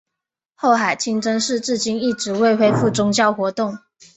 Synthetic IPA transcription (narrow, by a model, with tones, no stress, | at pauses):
xo˥˩ʊxa˨˩ɪt͡ɕʰi˥ŋʈ͡ʂə˥ŋʂɻ̩˥˧ʈ͡ʂɻ̩˥˩t͡ɕi˥ni˥˩ʈ͡ʂɻ̩˧˥we˥˧ɪxwe˥ɪfu˥˩t͡sʊ˥ŋt͡ɕjɑ˥˩ʊxwɔ˧˥t̪ʊ˥˩ŋ